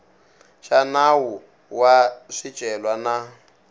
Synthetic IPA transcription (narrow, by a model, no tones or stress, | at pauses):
ʃanawu | waʂid̥ʒ̥ʱʼɛlwana